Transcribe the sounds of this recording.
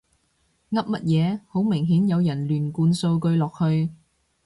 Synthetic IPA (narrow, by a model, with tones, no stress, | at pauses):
ŋɐ˥p̚mɐ˥t̚jɛː˨˧ho˨˥wmɪ˨˩ŋɦiː˨˥njɐ˨˧wjɐ˨˩nlyː˨˩nkuː˧nso˧wkɵ˧ɥlɔː˨k̚hɵ˧ɥ